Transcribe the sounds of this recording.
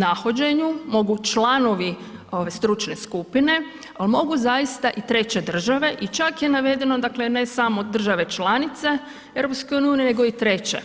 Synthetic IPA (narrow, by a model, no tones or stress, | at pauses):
naxod͡ʑe̞ɲumo̞ɡut͡ʃlˠano̞ʋi | oʋest̪ɾut͡ʃne̞skupine̞ | almo̞ɡuzajist̪aʔit̪ɾe̞t͡ɕe̞d̪r̩ʒaʋe̞ʔit͡ʃakje̞naʋe̞d̪e̞nod̪akle̞ne̞samo̞d̪r̩ʒaʋe̞t͡ʃlanit̪se̞ | eɾo̞pskejuniuːniene̞ɡo̞it̪ɾe̞t͡ɕe̞̰